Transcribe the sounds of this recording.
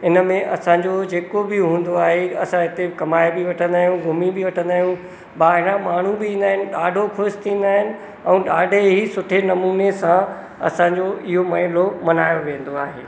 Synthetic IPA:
ɪnəmẽʔɐsãːɲd͡ʑod͡ʑeːkobɪɦũːnd̪oaːɦeɐ̰sãɦɪt̪ekɐmaːebɪʋɐʈʰə̃nd̪aːɦijũɡʱʊmibɪʋɐʈʰə̃nd̪aːɦjũ | ɓaːɦɪɾãmaːɳ̤ũbɪĩːn̆d̪aːɦɪnɪ̆ɗaːɖʱokʰʊɾst̪ʰĩːnd̪aːɦɪnɪ̆ | ɛ̃ːɗaːɖʱeɦisʊʈʰenɐmuːnesã | ɐ̰sãːɲd͡ʑoɪɦomɐɦɪlomɐnaːjoʋẽːn̆d̪oa̰ːɦḛː

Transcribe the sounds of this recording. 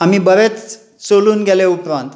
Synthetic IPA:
am̤iːbəɾet͡s | soluːnɡʱeleupɾãnt̪

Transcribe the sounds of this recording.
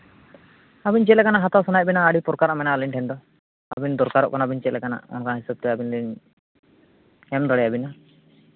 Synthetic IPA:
abint͡ʃɛlɛkanaɦat̪awsɔnajbinaːɽipɔɾkaɾamɛnaalinʈʰɛnd̪ɔ | abind̪ɔɾkaɾɔʔkɔnabint͡ʃɛlɛkana̰ʔɔ̰nkanɦisab̚t̪ɛabinliɲ | ɛmd̪ɔɽɛjabina

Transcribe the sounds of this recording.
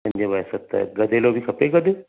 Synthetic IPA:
ɐ̃ɲd͡ʑebaːjsɐt̪ːɐ̰ɡɐd̪ʱelobʱikʰɐpeɡɐd̪

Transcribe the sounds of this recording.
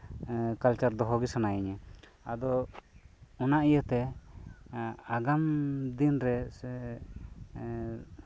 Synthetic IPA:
kalt͡ʃaɾd̪ɔɦɔɡisanajiɲə | ad̪ɔ | ɔnaʔijət̪ɛ | aɡamd̪inɾɛsɛ

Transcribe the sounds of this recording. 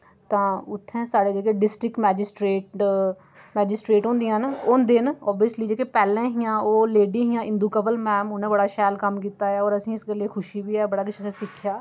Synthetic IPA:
t̪ãːʊt̪ʰːẽːsaːɽeːd͡ʒeːk̬eːɖɪsʈɾɪkmɛːd͡ʒɪsʈɾeːʈ | mɛːd͡ʒɪsʈɾeːʈɦʊ̃ːnd̪ijãɦnʊnd̪ɪnɔːbijəsliːd͡ʒeːkeːpɛːlẽːɦɪjãːoːleːɖiːɦɪjãːʔɪ̃nd̪uːkəbəlmɛːmʊnẽːbəɽaːʃɛːlkəmkiːt̪aːɛːɔːɾəsĩːɪsɡəlːeːkʰʊʃiːbiːɛːbəɽaːkʊt͡ʃəsẽːsɪkʰːjaː

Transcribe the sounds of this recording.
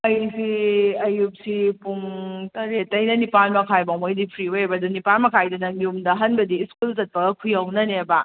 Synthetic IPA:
ɐjsiɐjup̚sipuŋtɐɾetɐjnɐnipalmɐkʰajbawmojdipʰɾioebɐdunipalmɐkʰajdɐnɐŋiumdɐɦɐnbɐdiːskulzɐt̚pɐɡɐkʰujawnɐneba

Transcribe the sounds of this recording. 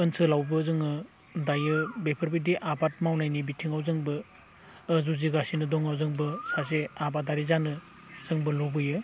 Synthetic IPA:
ɯnsʰɯlawbɯzɯŋɯ | dajɯbepʰɐɾbidiʔabat̚mawnajnibitʰiŋawzɯŋbɯ | zuziɡasinɯdɔŋawzɯŋbɯsaseabadaɾizanɯ | z̥ɯŋbɯlɔbɯjɯ

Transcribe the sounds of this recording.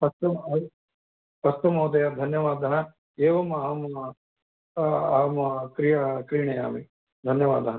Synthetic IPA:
pɐst̪umɐ | pɐst̪umɐwd̪ɐjɐd̪ʱɐnjɐʋaːd̪ʱɐnɐ | eːʋɐmam | aːmkɾijɐkɾiːɳɐja̰ːmi | d̪ʱɐnjɐʋaːd̪ʱanɐ

